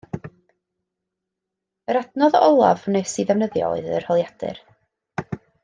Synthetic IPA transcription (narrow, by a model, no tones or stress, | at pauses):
əɾadnɔðɔlˠa̰vnesiðɛvnəðjɔ̰ɔ̰ɨðərhɔlˠjad̥ɨ̰r